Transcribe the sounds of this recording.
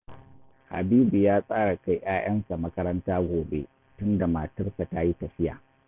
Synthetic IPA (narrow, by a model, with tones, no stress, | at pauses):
ha̰˨biː˦bi˨jaː˦sʼaː˦ɽa˨ka˦jʔaː˦j̰ɐ˦nsa˨mɐ˦kɐ˦ɾɐ˦ntaː˦ɡʷoː˨bḛ˦ | tʊ˦nda˨ma˨tʊ˦rsa˨ta˦ji˦tɐ˨ɸɪ˦ja̰ː˨